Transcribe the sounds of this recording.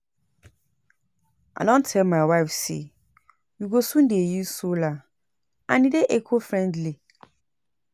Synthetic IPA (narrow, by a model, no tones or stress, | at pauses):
ʔa̰dɔ̃ntʰɛlmaɪwaɪfsḛ | juɡosũndejusola | ã̰nideʔekʰofɹɛ̃ndli